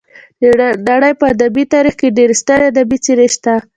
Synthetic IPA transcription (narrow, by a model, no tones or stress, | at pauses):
d̪əɖaɽəjpəad̪abit̪aɾixkeɖeɾst̪əɾad̪abit͡seɾeʃt̪a